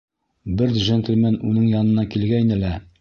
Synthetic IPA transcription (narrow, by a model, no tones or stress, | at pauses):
bɘɾd̪ʒent̪ɘ̆lmænunɤɴjɑnɤ̆nɑkilɡæjnɘlæ